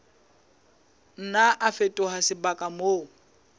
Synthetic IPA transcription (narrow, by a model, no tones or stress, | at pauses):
n̩naʔafetʼʊɦasɪbakʼamo